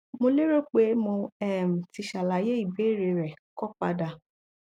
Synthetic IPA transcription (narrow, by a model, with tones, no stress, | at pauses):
mo˧le˦ɾo˦k͡pe˨˦mõ˧ɛ˦˨m̩˨ti˧ʃa˨la˨˦je˦i˦˨be˨˦˨ɾe˨˧ɾɛ˨kɔ˦k͡pa˧da˧˨